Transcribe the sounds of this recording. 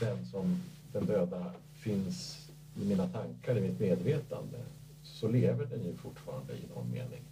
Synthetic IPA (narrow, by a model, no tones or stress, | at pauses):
d̪ɛnsɔm | d̪ɛnd̪øːd̪a | fɪns | ɪmiːnat̪ʰaŋkaɾɪmɪt̪meːd̪veːt̪a̰nd̪ə̰ | sɔleːvəɖɛnjɵfʊʈːfɑ̰ːɾa̰nd̪ə̰ɪnɔ̰nmḛːnɪŋ